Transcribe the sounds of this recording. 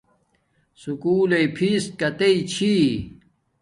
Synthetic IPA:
sukuːleipʰis̚kɐt̪eit͡ɕʰi

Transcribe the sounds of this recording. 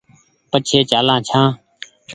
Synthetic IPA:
pət͡ʃʰeːt͡ʃaːlãːt͡ʃʰãː

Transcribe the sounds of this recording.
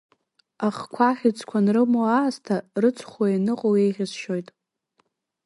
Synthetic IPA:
aχkʷʰaχʲɪt͡sʰʼkʷʰanrɨmoastʰarɨt͡sʰχʷainɨqʼowejʁʲɪzʃo̞jtʼ

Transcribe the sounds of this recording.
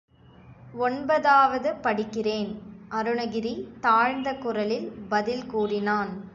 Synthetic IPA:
ɔɳbɐðaːʋɐðɯpɐɽɪkːɪreːnʔɐɾɯɳɐɣɪɾit̪aːɻnd̪ɐkːʊrɐlɪlbɐðɪlkuːrɪnaːn

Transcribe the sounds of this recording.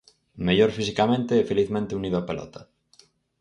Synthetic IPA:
meʎoɾfisikamẽnt̪eɛfeliθmẽnt̪euniðoapelʔɔ̰t̪ʰa

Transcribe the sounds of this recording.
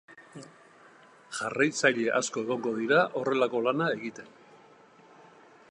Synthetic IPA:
ʝarajt͡saʎe̞ʔasko̞e̞ɣ̞o̞ŋɡo̞ðiɾaʔo̞re̞lako̞lanae̞ɣit̪e̞n

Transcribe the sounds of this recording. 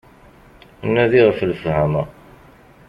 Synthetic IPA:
nːæðiʁəfləfhæmə

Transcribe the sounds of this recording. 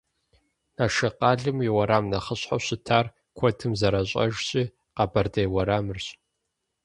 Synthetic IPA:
naːʃɐqɑːɮɨmiwɐɾaːmnɐχəɕħa̰ɕɪtʰaːr | kʷʰɔtʰɨmzɐɾɐɕʼɐ̰ʒɕʼiː | qɑbɐrdɐjwɐɾaːmɨrɕʼ

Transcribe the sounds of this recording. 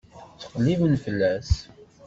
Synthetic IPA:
t͡sə̥qlːivənfəlːæs

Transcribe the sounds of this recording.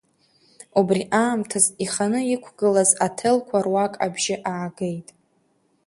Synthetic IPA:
ubriʔaːmtʰaziχanɨikʷʰɡɨlazatʰɨlkʷʰarwakʼabʒɪʔaʕaɡe̞jtʼ

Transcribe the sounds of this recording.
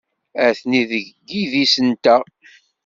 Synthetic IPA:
æθniðəʝɡːiðisənt̪æ

